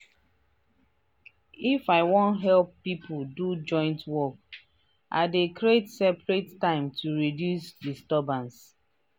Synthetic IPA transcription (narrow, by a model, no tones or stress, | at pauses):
ifaɪwɔ̃ntɦɛlpːipldud͡ʒɔ̃ɪ̃ntwɔk̚ | ʔa̰ɪdekɹietsɛpɹetːãɪ̃mtʰuɹidjusdistɔbãns